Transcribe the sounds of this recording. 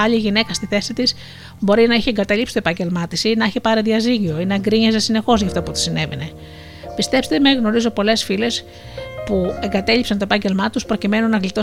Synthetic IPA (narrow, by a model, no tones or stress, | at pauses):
ɐʎiʝine̞kɐst̪iθe̞sit̪is | bo̞ɾinɐiçeeŋɡɐt̪ɐlipsi̥t̪oepɐɲɟe̞lmɐt̪isinɐiçepɐɾeðiɐziʝio̞ineeŋɡɾiɲezesine̞xo̞zʝɐft̪oput̪i̥sine̞vḛne̞ | pist̪e̞pst̪emeɣno̞ɾizo̞po̞le̞sfile̞s | pue̞ŋɡɐt̪e̞ʎipsɐnt̪oe̞pɐɲɟe̞lmɐt̪uspɾo̞cime̞nunːɐɣlit̪o̞